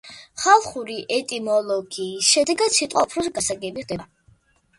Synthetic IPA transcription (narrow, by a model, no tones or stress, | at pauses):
χalˠχuɾiʔɛt̪ʼimɔlˠɔɡiːsʃɛd̪ɛɡat̪sit̪ʼqʼapʰɾɔsɡasaɡɛbiχd̪ɛba